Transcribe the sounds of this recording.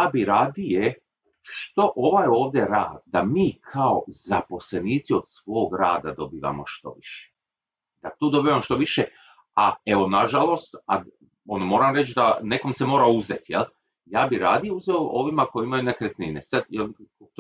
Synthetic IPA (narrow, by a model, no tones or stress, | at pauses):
jaːbiɾaːd̪ije | ʃt̪o̞ʔoʋajo̞ːʋd̪ʲje̞ɾaːd̪d̪amiːkʰao̞̰zapo̞sle̞niːt̪sio̞d̪sʋo̞ːɡɾa̰ːd̪ad̪o̞biːʋa̰mo̞̰ʃt̪o̞̰ʋiʃe̥ | d̪at̪oːd̪obiːʋamoʃt̪o̞ʋiʃe | ae̞ʋo̞naʒalˠo̞st̪a̰d̪ | o̞nomo̞ːɾamɾet͡ʃd̪ane̞ko̞mse̞moːɾaouzet̪jel | jaːbiɾa̰ːd̪ijeuzeoʔo̞ʋimako̞jiimajunekɾet̪ninḛsad̪jel